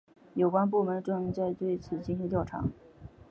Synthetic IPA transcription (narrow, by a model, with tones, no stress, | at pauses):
jo˨˩ʊkwa˥np̬u˥˩mə˧˥nʈ͡ʂɤ˥˧ŋ˥˧t͡sa˥˧ɪt̪we˥˩ɪt͡sʰɹ̩˨˩t͡ɕi˥˧nɕi˧˥nt̪jɑ˥˩ʊʈ͡ʂʰɑ̰˧˥